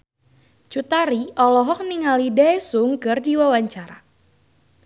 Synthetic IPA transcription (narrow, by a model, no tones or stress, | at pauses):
t͡ʃut̪aɾiʔɔlɔɦɔk̚niŋalidɛsuŋkɨrdiwawaɲt͡ʃaɾa